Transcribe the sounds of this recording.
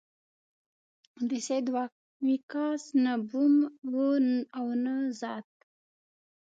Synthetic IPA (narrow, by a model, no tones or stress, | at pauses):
d̪ised̪wak̚ | wikɑsnəbumwonawnəzɑːt̪̚